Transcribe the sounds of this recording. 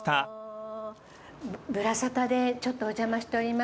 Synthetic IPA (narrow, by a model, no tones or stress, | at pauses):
t̪a | bɯ̟ɾasat̪ad̪e̞t͡ɕo̞t̪ːo̞ːd͡ʑamaɕi̥t̪e̞o̞ɾʲima